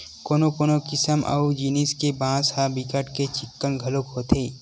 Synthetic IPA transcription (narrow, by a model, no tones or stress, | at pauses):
koːnopoːnokɪsəmʔɐ̰ud͡ʒiniskebãːshabɪkəʈket͡ʃɪkːənɡʱɐlokɦoːt̪ʰeː